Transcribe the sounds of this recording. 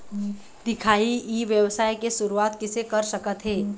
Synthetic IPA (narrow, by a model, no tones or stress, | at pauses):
d̪̥ɪkʰaːiiːʋjəwsaːjkesʊɾuaːt̪kɪsekɐɾsəkət̪ɦɛː